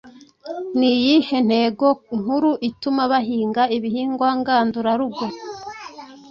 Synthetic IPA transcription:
nijihe̞n̥he̞ːɡo̞ŋ̥huɾuʔitumaβaɦiːŋɡaiβihiːŋɡwaŋɡaːnduɾaɾuɡo

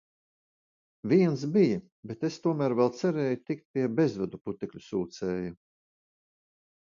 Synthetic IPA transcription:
vʲiɛnsbija | bet̪est̪uɔmæːɾvɛlˠt̪sɛɾɛːjut̪ik̚t̪̚piɛbezvɛd̪uput̪ikʎʲusuːt̪sɛːju

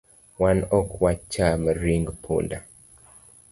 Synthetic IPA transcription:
wanɔkwat͡ʃːaməɾiŋɡpʰṵnda

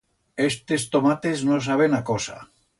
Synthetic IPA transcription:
est̪est̪omat̪e̞znos̬aβ̞enakosa̰

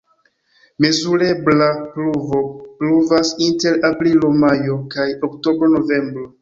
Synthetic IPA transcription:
mezuɾe̞blapluvo̞pluvasinte̞ɾapɾilo̞majo̞kajokto̞bɾo̞no̞ve̞mbɾo

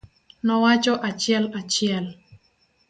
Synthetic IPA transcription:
nɔwat͡ʃɔʔat͡ʃjɛlat͡ʃjɛl

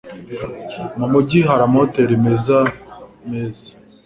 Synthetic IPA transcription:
mamuɟiɦaɾamoteɾimezamezi̥

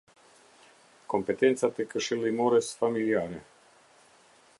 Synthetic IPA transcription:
ko̞mpe̞t̪e̞nt̪sat̪ekəʃelimoɾesfamiliaɾḛ

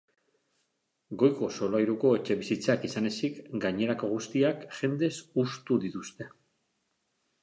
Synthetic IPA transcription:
ɡo̞jko̞so̞lajɾuko̞e̞t͡ʃe̞βisit͡sakisane̞sikɡaɲe̞ɾako̞ɣ̞ust̪iakʝe̞nd̪e̞sust̪uðit̪ust̪e̞

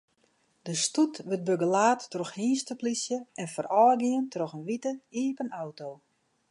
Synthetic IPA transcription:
dəstutʋət̚bøɡəlaːtːrɔxhiːnstəplisjəɛnfərɔːɡiəntrɔxənʋitəiəpənawtoː

